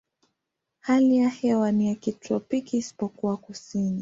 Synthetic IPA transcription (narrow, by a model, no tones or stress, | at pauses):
halijahɛwanijakitɔpikiːsi̥pɔkuwakusini